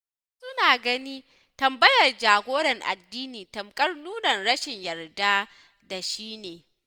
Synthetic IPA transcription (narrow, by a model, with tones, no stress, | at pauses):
sʊ˦naː˨ɡɐ˦niː˦ | tɐ˨mbɐ˦jɐ˨rd͡ʒaː˨ɡʷoː˦ɾɐ˨ŋʔa̰˨dːiː˦niː˨tɐ˨mkʼɐ˦rnuː˦nɐ˨nɽɐ˦ʃɪ˨ɲjɐ˨rda˦ | da˨ʃiː˦neː˨